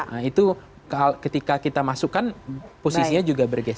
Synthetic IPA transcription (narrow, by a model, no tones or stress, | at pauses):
ʔəit̪u | kakət̪ikakit̪amasukːanposisiɲad͡ʒuɡabərɡɛs